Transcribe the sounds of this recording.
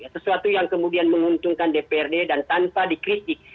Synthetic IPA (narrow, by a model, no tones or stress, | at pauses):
jasəsuat̪ujaŋkəmudianməŋunt̪uŋkandepeɛrdedant̪anpadikɾit̪ɪk̚